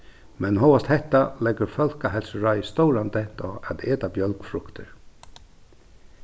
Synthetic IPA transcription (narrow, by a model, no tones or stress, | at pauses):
mɛnɦɔwast̪hɛht̪ːalɛɡəɾfœlkaɦɛlsəɹœʏst̪ɔwɾand̪ɛt̪ɔa̰d̪eːt̪abjœlkfɾʊkt̪əɹ